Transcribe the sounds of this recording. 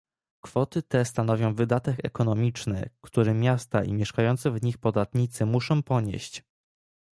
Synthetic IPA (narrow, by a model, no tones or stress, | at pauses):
kfɔt̪ɘt̪ɛst̪an̪ɔvʲjɔ̃w̃vɘd̪at̪ɛkɛ̰kɔnɔmʲit͡ʂnɛ̰kt̪uɾɛmʲjast̪a̰ʔḭmʲjɛʂkajɔnt̪sɛvɲixpɔd̪at̪ɲit̪sɘmuʂɔ̃w̃pɔɲḛɕt͡ɕ